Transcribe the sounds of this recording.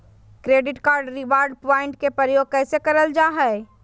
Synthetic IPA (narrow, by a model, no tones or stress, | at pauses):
kɾeːɖɪʈkaːɾɖɾɪʋaːɾɖ̚paːɪ̃ɳʈkepəɾjoːɡ̚kɛːsekɐɾəld͡ʒaːɦɛ